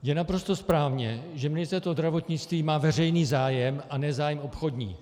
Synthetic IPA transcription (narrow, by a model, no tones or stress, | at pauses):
jɛnapɾo̞st̪o̞spɾaːvɲɛʒɛmɪnɪst̪ɛt̪ozd̪ɾavo̞t̪ɲɪt͡st̪viːmaːvɛrɛjniːzaːjɛmanɛzaːjɛmopxo̞dɲḭː